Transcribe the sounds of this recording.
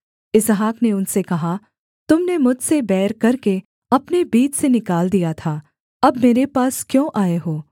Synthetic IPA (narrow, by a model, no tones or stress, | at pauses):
ɪzɦaːkneʊnsekɐɦa | t̪ʊmnemʊd͡ʒʱsebɛːɾkɐɾke | ɐpnebiːt͡ʃsenɪkaːld̪ijat̪ʰaː | ɐbmeːɾepaːskjõːʔaːeɦoː